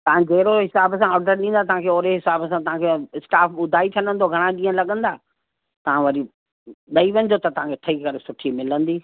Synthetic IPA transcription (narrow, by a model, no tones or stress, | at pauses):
t̪ɐʋ̤ãd͡ʑɐɦɪɾoɦɪsaːbsãɔːɾɖəɾɗĩːnd̪at̪ɐɦãkʰeoːɾeɦɪsaːbsãt̪ɐʋãkʰeɪsʈaːfɓʊd̪ʱaːit̪ʰɐnə̃nd̪ʱoɡʱɐɽ̃ãɠĩːə̃lɐɠə̃nd̪aː | t̪ɐʋ̤ãʋɐɾi | ɓɐiʋɐ̃ɲd͡ʑot̪ɐt̪ɐʋ̤ãkʰeʈʰɐikɐɾesʊʈʰimɪlə̃nd̪iː